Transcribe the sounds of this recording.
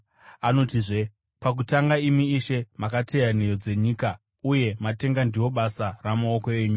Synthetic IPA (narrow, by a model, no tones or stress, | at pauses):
ano̞tiʐe̞ | pak̬utaŋɡaimiːʃe̞makatʰe̞jane̞jo̞d͡ze̞ɲiːka | uje̞mate̞ŋɡandiwo̞ɓasaramaoko̞e̞ɲu